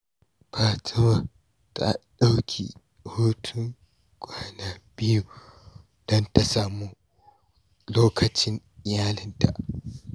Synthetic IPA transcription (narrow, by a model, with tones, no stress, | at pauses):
baː˨tʰa˦wa˨ | tʰa̰˨ɗa˦wkʲʰḭ˨ | hoː˦tʰʊ˦ŋ | kʷʼaː˦naː˨bɪ˦ju˨ | d̥ɔ˦nta˨saː˨muː˦ | loː˦kʰɐ˨t͡ʃɪ˦n˨ | jaː˦lɪ˦nta̰˨ʔ